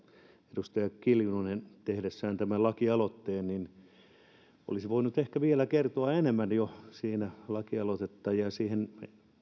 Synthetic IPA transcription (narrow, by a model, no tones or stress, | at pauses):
edust̪ɑjɑkiljunonent̪ehɾesːæːnt̪æmælɑkiɑlot̪ːeːnnin | o̰lisiʋoinut̪ehkæʋielækert̪oɑenemːænjosiːnælɑkiɑlot̪et̪ːɑjɑjɑsiːhen